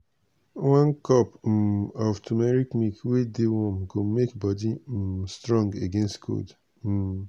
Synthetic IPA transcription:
wãnkɔp̩ | ɔftʰumɛɹikmikwedewɔ̃mɡomekbɔdistɹɔ̃ŋɡeɡẽnstkʰo̰d̩

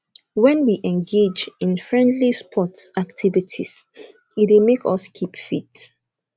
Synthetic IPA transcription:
wɛ̃nwiʔɛ̃nɡed͡ʒɪ̃nfɹɛ̃ndlispʰɔtsak̚tʰivitʰḭs | itwemekɔskʰipfit

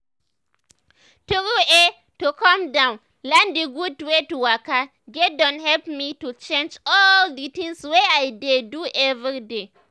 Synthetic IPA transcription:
tuɡue | tukɔ̃mdãʊ̃n | lãndiɡudwetuwaka | ɡɛdɔ̃nhɛlpmitut͡ʃẽnd͡ʒɔlditĩŋsweajdeduɛvɾide

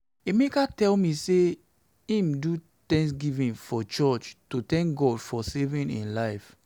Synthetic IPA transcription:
emekatɛlmĩse | ĩmdu | tɛ̃ŋs̬ɡivĩnfɔt͡ʃɔt͡ʃtutɛ̃ŋk̚ɡɔdfɔsevĩnḭ̃nlaɪf

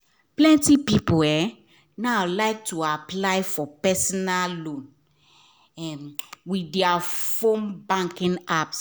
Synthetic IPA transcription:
plɛ̃ntipipoɛ | nalaɪk̚tʰuaplaɪfɔpɛsɔnallõn | ɛmwidɛafõnbãŋkĩŋaps

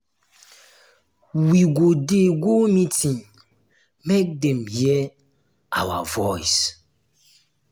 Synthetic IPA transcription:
wiɡodeɡomitĩŋ | mek̚dɛ̃mhɛ | ʔa̰wa̰vɔjs

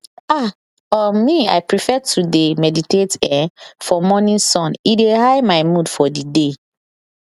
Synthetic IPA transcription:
a | ɔmia̰ɪpɹifɛtʰudemɛditetɛfɔmɔnĩnsɔ̃nidehaɪmaɪmudfɔdide

